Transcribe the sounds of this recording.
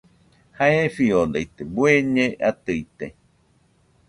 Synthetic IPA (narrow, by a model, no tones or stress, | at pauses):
haefiod̪ait̪ebueɲẽat̪ɨit̪e